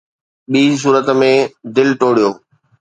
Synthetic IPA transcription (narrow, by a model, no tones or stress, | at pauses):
ɓiːs̬uːɾət̪mẽd̪ɪlʈoːɽijoː